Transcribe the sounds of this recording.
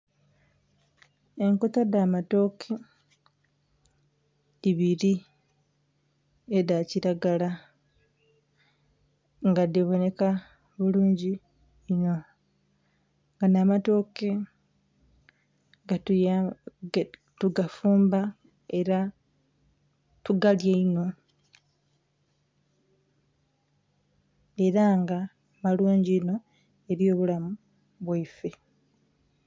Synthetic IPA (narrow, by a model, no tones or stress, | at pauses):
eŋkutadaːmato̞kʰe | iβiɾi | edaciɾaɡala | ŋɡadiβo̞ne̞ka | βuluːɲɟiː | no̞ | ŋɡanaːmato̞ke̞ | ɡa | tuɡafuːmba | eɾa | tuɡaljeino̞ | eɾaŋɡa | maluːɲɟiːno̞ | e̞ɾjo̞ːβulamu | βwaife